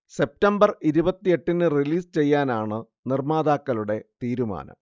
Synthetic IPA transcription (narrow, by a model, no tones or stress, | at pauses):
se̞p̚tɐmbɐriɾubɐt̪ːije̞ʈːinːɨriliːst͡ɕe̞jːaːnaːɳɨ | nirmaːðaːkːɐluɽe̞t̪iːɾuma̰ːnɐ̰m